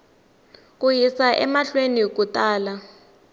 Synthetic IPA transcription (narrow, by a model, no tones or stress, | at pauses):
k̬ʼujisaʔɛmaɬwenik̬utʼaːla